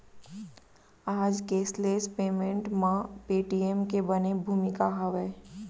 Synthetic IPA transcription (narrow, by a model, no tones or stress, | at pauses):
aːd͡ʒkeːsleːspeːmẽɳʈmãpeːʈiemkebɐnebʱuːmɪkaɦɐʋɛː